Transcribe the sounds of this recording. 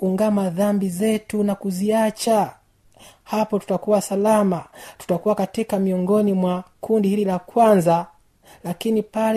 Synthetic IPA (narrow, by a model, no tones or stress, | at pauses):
uŋɡamaðambizɛtunakuziat͡ʃa | hapɔtu̥takuwasalamatu̥takuwakatikamiɔŋɡɔnimwakundihililakwanza | lakinipal